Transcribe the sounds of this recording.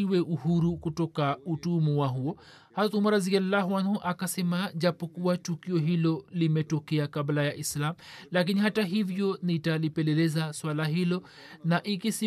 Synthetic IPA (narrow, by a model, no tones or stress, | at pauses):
iwɛʔuhuɾukutɔkautuːmuwaɦuɔ | hatumaɾaziɡalːaɦwanhuʔakasɛmaʄapɔkuwatukiɔɦilɔlimɛtɔkɛakablajaʔislamlak̬inihataɦivjɔnitalipɛlɛlɛzaswalaɦilɔ | naʔikisi